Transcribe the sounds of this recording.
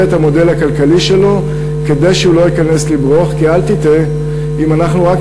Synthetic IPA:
ethamo̞de̞lakalkaliʃe̞lo̞ | ke̞d̪e̞jʃeulo̞jikane̞slibʁoχkialt̪ite | imanaχnuʁak

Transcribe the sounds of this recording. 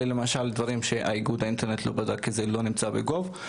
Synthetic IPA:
lemaʃald̪vaʁimʃeʔa̰iɡud̪aint̪eʁnet̪lo̞̰bad̪akʰːizelo̞nimt͡sabeɡo̞v

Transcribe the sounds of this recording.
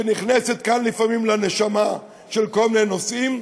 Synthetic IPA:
eniχneset̪kanlifamimleneʃama | ʃelko̞lminenosim

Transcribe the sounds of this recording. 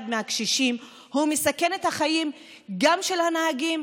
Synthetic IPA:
d̪meakʃiʃim | humesake̞ne̞t̪haχajim | ɡamʃe̞lhanaaɡim

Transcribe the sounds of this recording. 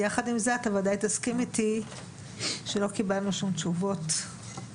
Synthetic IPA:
jaχadimzeat̪avadajt̪askimiti | ʃelo̞kibalnuʃumt͡ʃuvo̞t

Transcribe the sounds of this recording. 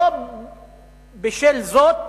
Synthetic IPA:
bɪʃelzoːt̪

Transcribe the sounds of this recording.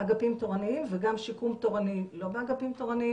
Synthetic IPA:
aɡapimt̪o̞ʁaniimveɡamʃikumt̪o̞ʁanilo̞beaɡapimt̪oʁani

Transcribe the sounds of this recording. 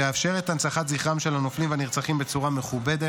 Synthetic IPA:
eafʃe̞ʁetant͡saχat̪ziχʁamʃe̞lano̞flimveaniʁt͡saχimbe̞t͡suʁame̞χubed̪e

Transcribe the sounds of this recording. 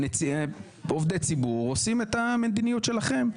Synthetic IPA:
net͡sie | ovd̪et͡sibuʁosimet̪ame̞d̪inijut̪ʃe̞laχe̞m

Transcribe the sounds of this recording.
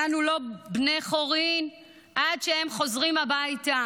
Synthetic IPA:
anulo̞bne̞jχo̞ʁin | ʔadʃehe̞mχo̞zʁimhabajta

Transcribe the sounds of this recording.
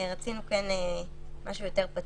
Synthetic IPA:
ʁat͡sinukene | maʃujoteʁpat

